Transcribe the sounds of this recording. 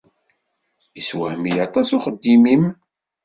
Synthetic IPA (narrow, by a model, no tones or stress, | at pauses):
iswæhmijɑt̪ˤɑsuχəd̪ːimim